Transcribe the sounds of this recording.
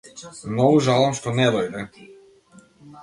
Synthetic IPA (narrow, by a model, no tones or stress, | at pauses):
nouʒalˠɔmʃt̪onɛd̪ojd̪ɛ